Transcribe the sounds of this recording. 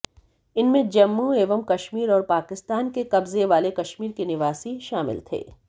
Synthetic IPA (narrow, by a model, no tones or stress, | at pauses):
ɪnmẽd͡ʒɐmːueːʋəmkɐʃmiːɾɔːɾpaːkɪst̪aːnkekɐbzeʋaːlekɐʃmiːɾkinɪʋaːsiʃaːmɪ̰lt̪ʰḛː